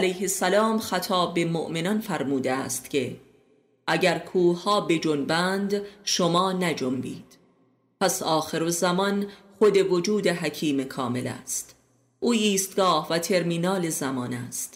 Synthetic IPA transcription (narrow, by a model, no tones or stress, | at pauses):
ʔælæjhe̞sælɒːmxæt̪ʰɒːbbːe̞moʔmenɒnfæɾmuːd̪eæ̰st̪cʰe̞ | ʔæɟæɾkʰuːhɒːbe̞d͡ʒonbænd̪ʃomɒːnæd͡ʒombḭːd̪̥ | pʰæsɒːxeɾozæmɒnχod̪e̞vod͡ʒuːd̪eɦæcʰiːmekʰɒːme̞læ̰st̪ | ʔuːiːst̪̚ɡɒːhvæt̪ʰe̞ɾmiːnɒːlezæmɒːnæst̪